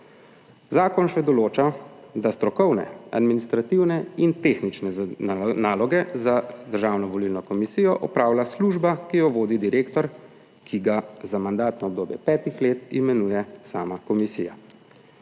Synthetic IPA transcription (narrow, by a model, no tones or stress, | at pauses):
zaːkɔnʃɛd̪ɔloːt͡ʃad̪ast̪ɾɔkɔwnɛ̰a̰d̪minist̪ɾat̪iwnɛint̪eːxnit͡ʃnɛnaːlɔɡɛzad̪əɾʒaːwnɔʋɔlilnɔkɔmisiːjɔʔɔpɾaːwlasluʒbakijɔʋoːd̪id̪iɾeːkt̪ɔɾ | kʰiɡazamand̪aːt̪naɔbd̪oːbjɛ̰pɛːt̪ixleːt̪imɛnuːjɛsaːmakɔmisija̰